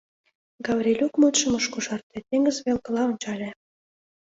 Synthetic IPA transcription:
ɡɑβrʲelʲukmut̪ʃə̆mə̆ʃkuʃɑrt̪et̪eŋɡə̆zβelkə̆lɑonʲt͡ɕɑlʲe

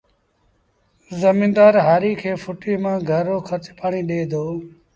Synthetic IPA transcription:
zəmĩːnd̪aːɾɦaːɾiːkʰeːfʊʈiːmãːɡʱəɾoːkʰəɾt͡ʃpaːɳiːɗeːd̪oː

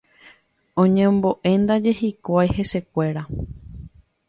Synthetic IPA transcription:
õɲẽmbo̞ʔẽ̞nd̪ad͡ʒe̞ɦikʷajhe̞se̞kʷe̞ɾa

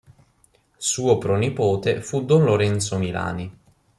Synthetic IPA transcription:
suːopɾɔnipoːt̪efud̪ɔnloɾɛnt̪somila̰ːni

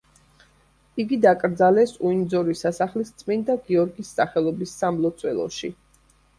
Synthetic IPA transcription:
iɡid̪akʼɾd̪zalɛsuind̪zɔɾisasaχlist̪sʼmint̪ʰaɡiɔɾɡisːaχɛlˠɔbisːamlˠɔt̪sʰʼwɛlˠɔ̰ʃḭ

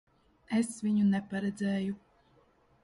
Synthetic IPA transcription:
esviɲunɛpaɾɛd̪zeːju

